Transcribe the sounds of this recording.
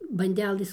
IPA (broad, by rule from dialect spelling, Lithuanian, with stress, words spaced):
bɐnʲˈdʲæːlˠɘs